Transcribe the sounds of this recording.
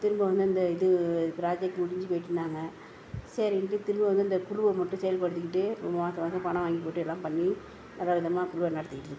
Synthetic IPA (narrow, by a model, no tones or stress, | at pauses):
t̪ɪɾɯmbɐʋɐnd̪ɯɐnd̪ɐɪðɯpɾaːd͡ʒɛk̚ʈmʊɽɪɲd͡ʒɯpoːjɪʈːɯnːaːŋɡɐ | seːɾɪʈːɯt̪ɪɾɯmbɐʋɐnd̪ɯɐnd̪ɐkʊɻʊʋɐmːɐʈːʊ̃sɛjɐlpɐɽɯt̪ːɯkːɪʈːɯpːoʋaːt̪ːɐʋɐːkɐpɐɳɐ̃ʋaːŋɡip̬oːʈːɯɛlːãːmpɐɳːi | nɛlːaːʋɪðɐmaːkʊɭʊʋɐnɐɽɐt̪ːɯkɪʈːɯɾɯkːɯ̥